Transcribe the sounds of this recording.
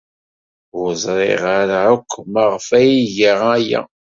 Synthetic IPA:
wzˤɾˤḛʁaɾʕəkʷʰːməʁfæjiʝəʁæja̰

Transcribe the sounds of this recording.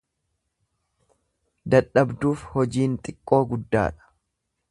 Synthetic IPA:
d̪ɐᶑːɐbd̪uːfhɔd͡ʒiːnt̪ʼɪkʼːo̞ːɡʊd̪ːa̰ːᶑɐ̥

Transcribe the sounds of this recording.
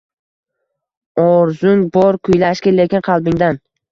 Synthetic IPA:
ɒɾzʊŋbɒɾkʰʊjlaʃkʲɪle̞kʲɪnqʰɑlˠbɪŋd̪an

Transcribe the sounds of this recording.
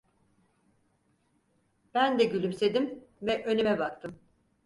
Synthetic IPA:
b̥ænd̪ɛɟylʲymse̞d̪imvɛʔø̞nymɛbakt̪ʰɯm

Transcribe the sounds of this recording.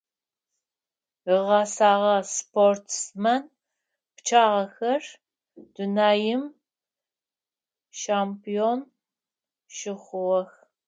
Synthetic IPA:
əʁɑsaːʁɐspʰortʰsmɐn | pt͡ʃʰaːʁɐxɐr | d̥unaːjɪm | ʃaːmpion | ʃɪχʷʊʁɐx

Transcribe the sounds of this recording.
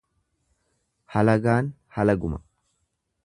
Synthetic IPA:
hɐlɐɡaːn | hɐlɐɡʊmɐ̥

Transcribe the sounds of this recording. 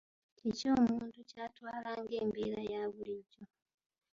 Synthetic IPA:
eco̞ːmuːntucaːtwaːlaːŋɡe̞ːmbeɾajaːβuliɟo

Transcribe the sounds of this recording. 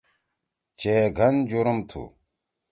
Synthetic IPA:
t͡ɕeeɡʱɐnd͡ʑuɾumt̪ʰṵ

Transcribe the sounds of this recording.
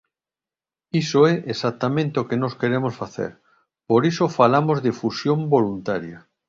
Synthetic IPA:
isoɛʔesat̪ːamẽnt̪eokenoskeɾemosfaθḛɾ | poɾisofalamozðefusjõmbolunt̪aɾja

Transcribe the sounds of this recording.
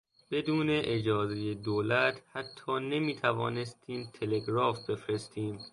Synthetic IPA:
b̥e̞d̪uːne̞ʔed͡ʒɒːzeje̞d̪oːlæt̪ʰhæt̪ʰːɒːne̞miːt̪ʰævɒːne̞st̪ʰiːmt̪ʰe̞le̞ɡɾɒːfbe̞fɾe̞st̪iːm

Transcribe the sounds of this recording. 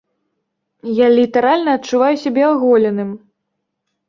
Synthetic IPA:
jalʲit̪ɐɾalʲnɐːt̪̚t͡ʂːuvajusʲabʲɛɔɣɔlʲɛnɨm

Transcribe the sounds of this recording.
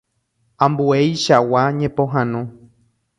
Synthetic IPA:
ãmbuejʃawaɲẽpõɦãnõ

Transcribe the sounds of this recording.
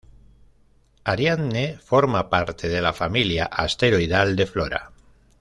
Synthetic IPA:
aɾjanːefo̞ɾmapaɾt̪ʰeðe̞lafamiljaʔast̪eɾoiðald̪e̞floɾa̰

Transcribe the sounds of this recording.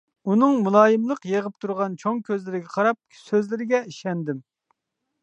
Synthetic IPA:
unɨŋmulˠɑːjɨmlˠəqjeʁəp̚t̪ʰuɾʁɑnt͡ʃʰoŋkʲʰøzlɪɾɪɡʲɛqʰɑɾɑp̚ | søzlɪɾɪɡʲɛiʃɛnd̪ɪm

